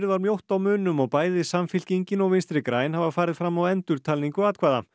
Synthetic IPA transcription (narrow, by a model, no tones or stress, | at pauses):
ɾðvaɾmjowht̪awmʏːnʏmɔɣpaːjðɪsamfɪl̥ciɲcɪnɔɣvɪnst̪ɾɪkɾaːjnhavafaːɾɪðfɾamːawɛnt̪ʏɾ̥t̪ʰaːlniŋkʏaːt̪kʰvaːða̰